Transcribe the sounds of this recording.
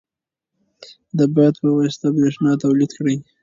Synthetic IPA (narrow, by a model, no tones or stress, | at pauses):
d̪əbajt̪pəwɑst̪abɾeʂnɑt̪awlid̪kɽij